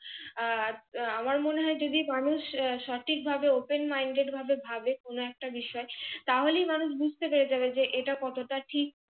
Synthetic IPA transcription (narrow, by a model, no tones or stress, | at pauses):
amaɾmoneɦɔed͡ʑod̪imanuʃʃaʈʰik̚bʱabeopenmajɳɖeʈbʱabebʱabekonoɛk̚ʈabiʃɔet̪aɦoleijmanuʃ̬bud͡ʑʱt̪epeɾed͡ʑabed͡ʑeʔeʈakɔt̪oʈaʈʰik̚